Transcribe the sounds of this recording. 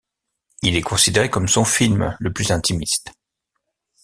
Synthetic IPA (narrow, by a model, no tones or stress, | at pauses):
ilɛkɔ̃sid̪eʁekɔmsɔ̃filmləplyzɛ̃t̪imist̪